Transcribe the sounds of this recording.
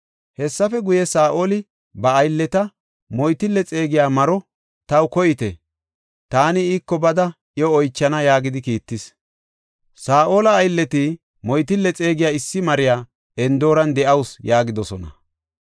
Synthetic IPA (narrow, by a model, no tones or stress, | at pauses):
hɛsːɐfɛɡʊjɛsaːʔo̞ːlɪ | bɐːjlːɛt̪ɐ | mɔjt̪ɪlːɛt͡sʼe̞ːɡɪjaːmɐɾɔ | t̪ɐwkɔjɪt̪ɛ̰ | t̪aːnɪiːkːɔbɐd̪ɐʔjɔːjt͡ʃːɐnɐjaːɡɪd̪ɪkiːt̪ːɪs | saːʔo̞ːlɐːjlːɛt̪i | mɔjt̪ɪlːɛt͡sʼe̞ːɡɪjaːɪsːɪmɐɾɪjaː | ɛnd̪o̞ːɾɐnd̪ɛʔɐwsjaːɡɪd̪ɔsɔnɐ̰